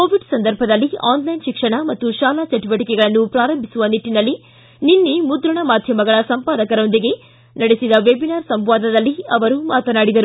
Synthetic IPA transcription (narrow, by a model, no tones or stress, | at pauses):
koːʋiɖsɐnd̪ɐɾbʱɐd̪ɐlːiaːnlɐjnʃikʂɐɳɐmɐt̪ːuʃaːlat͡ʃɐʈiʋɐʈikɛɡɐɭɐnːupɾaːɾɐmbʱisuʋɐniʈːinɐlːi | ninːimud̪ɾɐɳɐmaːd̪ʱjɐmɐɡɐɭɐsɐmpaːd̪ɐkɐɾo̞nd̪iɡe̞ | nɐɽesid̪ɐʋebinaːɾsɐmʋaːd̪ʱɐd̪ɐlːiɐʋɐɾuːmaːt̪ɐnaːɽid̪ɐɾu